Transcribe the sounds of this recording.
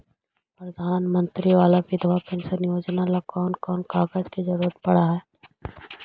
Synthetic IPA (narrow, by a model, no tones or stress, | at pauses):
pɾɐd̪ʱaːnmə̃nt̪ɾiʋaːlabɪd̪ʱʋapɪ̃nsənɪjoːd͡ʒnalakɔːnkɔːnkaːɡəd͡ʒkizɐɾuːɾət̪̚pɐɽ̤aɦɛː